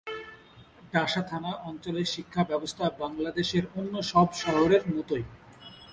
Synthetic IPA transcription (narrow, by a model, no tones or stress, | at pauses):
ɖaʃat̪ʰanaʔɔnt͡ɕoleɾʃikʰːabɛbost̪ʰabaŋlad̪eʃeɾonːoʃɔbʃɔɦoɾeɾmɔt̪oj